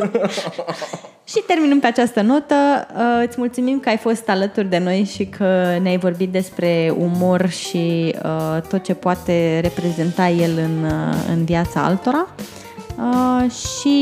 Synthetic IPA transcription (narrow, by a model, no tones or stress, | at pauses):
ʃit̪e̞rminəmpe̞at͡ʃast̪əno̞t̪əɨt̪sʲmult̪sumimkəajfo̞st̪alət̪urʲd̪e̞no̞jʃikʰəneajvo̞rbit̪̚d̪e̞spɾe̞umo̞rʃiət̪o̞t̪̚t͡ʃe̞poat̪e̞re̞pɾe̞ze̞nt̪aje̞lɨnɨ̰nvijat̪saa̰lt̪o̞ɾa | əʃi